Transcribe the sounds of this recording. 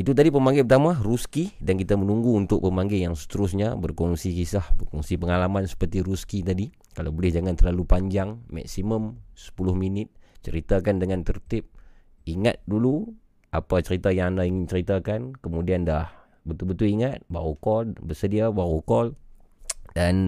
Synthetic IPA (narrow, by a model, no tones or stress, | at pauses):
it̪ut̪adipəmaŋɡɪpərt̪amaruskidankit̪amənuŋɡuːnt̪ʊk̚pəmaŋɡɪjaŋsə̥t̪əɾʊsɲabərkɔŋsikisahbərkɔŋsipəŋalamansə̥pərt̪iɾuskit̪adi | kalawbolɪhd͡ʒaŋant̪ərlalupaɲd͡ʒaŋmɛ̰ksiməmsə̥pulʊhminɪt̪̚t͡ʃəɾit̪akandəŋant̪ərt̪ɪp̚ | iŋa̰t̪̚dulu | apat͡ʃəɾit̪ajaŋandaiŋɪnt͡ʃəɾit̪akankəmudiandah | bət̪ubət̪uliŋat̪̚ba̰wukɔlbəsədiabawukɔl | dan